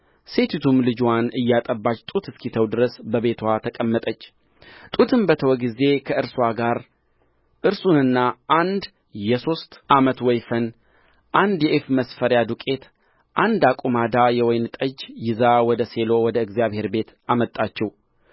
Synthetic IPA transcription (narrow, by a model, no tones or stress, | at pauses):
se̞t̪ʰit̪ʰumlɨd͡ʒwanɨjːat̪ʼəbːat͡ʃːt̪ʼut̪ʰɨskʰit̪ʰəwd̪ɨɾəsbəβe̞t̪ʰwat̪ʰəkʼəmːət̪ʼət͡ʃː | t̪ʼut̪ʰɨmbət̪ʰəwɔɡize̞kʰəʔɨɾswaɡaɾ | ʔɨɾsunɨnːaʔand̪ | jɛso̞st̪ʔamət̪wɔjfən | ʔand̪jɛʔefməsfəɾjad̪ukʼe̞t̪ | ʔand̪akʼumad̪ajɛwɔjnt̪ʼəd͡ʒjɪzawɔd̪əse̞lo̞wɔd̪əɨɡzijaβhe̞ɾbe̞t̪amət̪ʼːat͡ʃːɛw